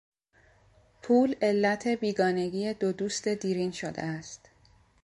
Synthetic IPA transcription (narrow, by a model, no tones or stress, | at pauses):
pʰuːle̞lːæt̪ʰe̞biːɡɒːne̞ɟiːe̞d̪od̪uːst̪e̞d̪iːɾiːnʃod̪ḛæst̪